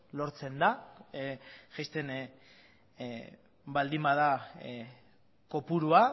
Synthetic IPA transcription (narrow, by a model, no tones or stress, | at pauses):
lo̞ɾt͡se̞nd̪a | ʝajst̪e̞n | bald̪imbaða | ko̞puɾua